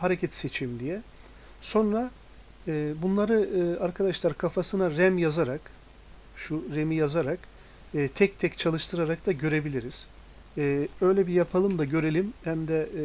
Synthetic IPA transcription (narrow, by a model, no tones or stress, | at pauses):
haɾecʰɛt̪set͡ʃʰimd̪ijɛ | so̞nɾa | ɯːbunlˠaɾɯaɾkʰad̪aʃlˠaɾkʰafasɯnaɾɛmjazaɾak | ʃuɾe̞mijazaɾakː | t̪ʰɛc̚t̪ʰɛct͡ʃʰalˠɯʃt̪ʰɯɾaɾak̚d̪aɟø̞ɾe̞bilʲiɾiz̥ | ø̞jlʲɛbijapʰalˠɯmd̪aɟø̞ɾelʲimhæmd̪ɛ